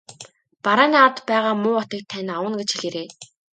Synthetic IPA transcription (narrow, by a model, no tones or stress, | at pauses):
paɾaːnaːt̪pæːʁaːmʊːɔt̪ə̆k̚t̪ʰːænʲawə̆nɡet͡ɕxiɮiɾeː